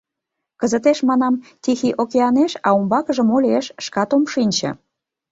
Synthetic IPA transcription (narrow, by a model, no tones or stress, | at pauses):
kəzət̪eʃmɑnɑmt̪ʲixiʔokeɑneʃɑumbɑkəʒə̆molʲeʃʃkɑt̪omʃinʲt͡ɕə̰̆